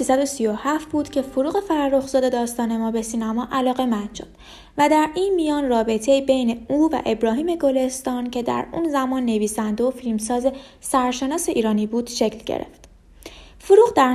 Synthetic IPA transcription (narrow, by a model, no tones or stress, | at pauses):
siːsæd̪o̞sijohæft̪buːd̪̥cʲʰe̞foɾuːɣe̞fæɾrːoxzɒːd̪e̞d̪ɒːst̪ɒːne̞mɒːbe̞siːnæmɒːʔælɒːɣe̞mænd̪ʃo̰d̪̥ | væd̪æɾiːnmijɒːnrɒːbe̞t̪ʰe̞iːbe̞jne̞uːvæ̰ʔe̞bɾɒːɦiːme̞ɡo̞le̞st̪ɒːncʰe̞d̪æ̰ɾṵːnzæmɒːnːe̞viːsænd̪eofilmsɒːze̞ | sæɾʃe̞nɒːse̞ʔiːɾɒːniːbuːd̪̥ʃe̞cʰlɟḛɾḛft̪ | foɾuːɣd̪æɾ